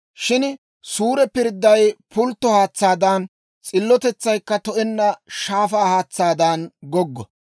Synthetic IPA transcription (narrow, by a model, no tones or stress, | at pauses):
ʃɪn | suːɾɛpɪɾd̪ːɐjpʊlt̪ːɔhaːt͡sːaːd̪ɐn | t͡sʼɪlːɔt̪ɛt͡sːɐjkːɐt̪ɔʔɛnːɐʃaːfaːhaːt͡sːaːd̪ɐnɡɔɡːɔ